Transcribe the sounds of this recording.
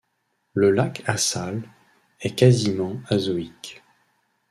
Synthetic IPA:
ləlakasal | ɛkazimɑ̃azɔik

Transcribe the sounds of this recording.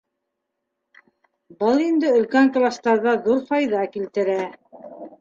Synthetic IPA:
bɤlˠind̪ɘɵ̆lkæŋklˠast̪ɑɾðɑðuɾfɑjðɑkilt̪ɘ̆ɾæ

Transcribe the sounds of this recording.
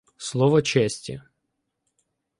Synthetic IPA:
slˠɔʋɔt͡ʃɛsʲtʲɐ̰

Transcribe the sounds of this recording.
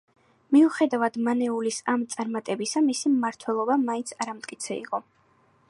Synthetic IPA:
miuχɛd̪avad̪̥manɛulisamt̪sʼaɾmat̪ʼɛbisamisiaɾt̪ʰwɛlˠɔbamaint̪sʰaɾamt̪ʼkʼit̪sʰɛḭqʼɔ

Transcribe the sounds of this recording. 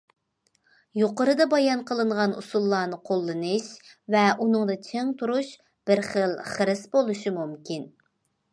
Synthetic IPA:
joqəɾɨd̪ɑbɑjɑnqʰəlˠɨɴʁɑnṵsulˠːɑːnɨqʰolˠːɨnɨʃvɛʔunɨŋd̪ɨt͡ʃʰeŋt̪ʰuɾuʃ | b̥ɪɾχəlˠχəɾɨsbolˠuʃimumkʲʰin

